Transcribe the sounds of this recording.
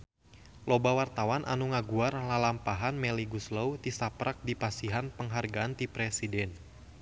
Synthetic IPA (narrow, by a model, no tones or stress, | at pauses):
lobawart̪awanʔa̰nuŋaɡuarlalampaɦanmɛliɡusləwt̪isapɾak̚dipasiɦanpəŋɦarɡaːnt̪ipɾɛsidɛn